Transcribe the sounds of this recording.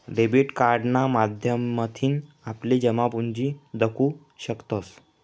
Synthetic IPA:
ɖebiʈkaɾɖnamad̪ʱjəmːət̪ʰiːn | apliːd͡ʑəmapuɲd͡ʑiːd̪əkʰuː | ɕəkt̪os

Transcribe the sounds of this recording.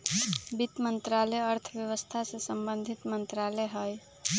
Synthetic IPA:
bit̪mənt̪ɾalɛəɾt̪ʰəbjəwəst̪ʰasesəmbənd̪ʱit̪mənt̪ɾalɛɦəj

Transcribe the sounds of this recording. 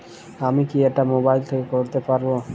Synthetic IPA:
amikiɛk̚ʈamobajlt̪ʰekekoɾt̪epaɾbo

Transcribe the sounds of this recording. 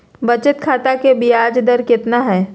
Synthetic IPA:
bɐt͡ʃət̪kʰaːt̪akebiaːd͡ʒd̪əɾkɪt̪naɦɛː

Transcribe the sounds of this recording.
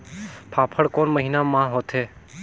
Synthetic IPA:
pʰaːpʰəɽkoːnməɦinamãːɦoːt̪ʰɦeː

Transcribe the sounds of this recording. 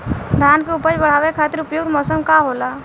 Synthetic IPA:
d̪ʱaːnkeʊpəd͡ʒbəɽ̤aːʋekʰaːt̪ɪɾʊpjʊɡd̪mɔːsəmkaɦoːlaː

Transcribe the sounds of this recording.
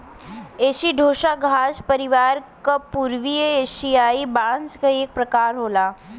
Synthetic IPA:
eɕiɖʱoʃaɡʱaspəɾiʋaɾkapuɾʋijəeʃijaiband͡zɡəek̚pɾəkaɾɦola

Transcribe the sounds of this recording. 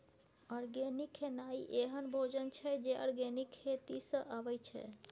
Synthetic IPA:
ɔɾɡenikʰːenaiʔeɦənbʱod͡ʒənt͡ʃʰɛd͡ʒeɔ̰ɾɡenikʰːet̪isə̃ʔabɛjt͡ʃʰɛ̰

